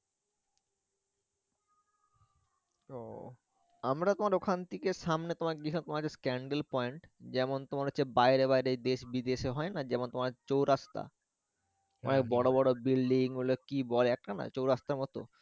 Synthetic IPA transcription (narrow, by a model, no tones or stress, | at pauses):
o | amɾat̪omaɾokʰant̪ikeʃamnet̪omaɾkeɡiinat̪omaɾɦot͡ɕʰeskɛɳɖelpɔjɳʈd͡ʑɛmont̪omaɾɦotːt͡ɕʰebaeɾebaeɾed̪eʃbid̪eʃeɦɔenad͡ʑɛmont̪omaɾt͡ɕowɾast̪a̰ | ɔ̰nek̚bɔɽobɔɽobilɖiŋɦulokibɔleɛk̚ʈana̰t͡ɕowɾast̪aɾmɔt̪o̰